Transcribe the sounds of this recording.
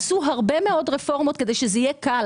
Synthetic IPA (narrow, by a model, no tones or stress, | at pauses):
suɦaʁbe̞meo̞dʁefo̞ʁmo̞t̪ke̞d̪e̞jʃezeijeka